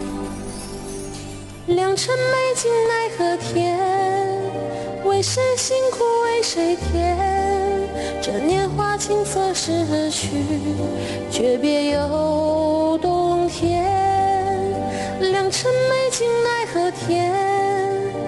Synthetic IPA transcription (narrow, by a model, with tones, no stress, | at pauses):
ljɑ˨˩ŋʈ͡ʂʰə˥nme˥˩ɪt͡ɕi˥ŋna˥ɪxɤ˧˥t̪ʰjɛ˥n | we˧˥˩ɪʂə˥nɕi˥ŋkʰu˧˩we˥ɪʂe˧˩ɪt̪ʰjɛ˥n | ʈ͡ʂɤ˨˩njɛ˥˧nxwa˥t͡ɕʰi˥ŋsɤ˥˧ʂɻ̩˧˥ə˧˥nt͡ɕʰy˧˥˧ | t͡ɕɥɛ˧˥pjɛ˧jo˧ʊ˧t̪ʊ˧ŋt̪ʰjɛ˧˥ | n | ljɑ˨˩ŋʈ͡ʂʰə˥nme˥˩ɪt͡ɕi˥ŋna˥˩ɪxɤ˧˥t̪ʰjɛ˥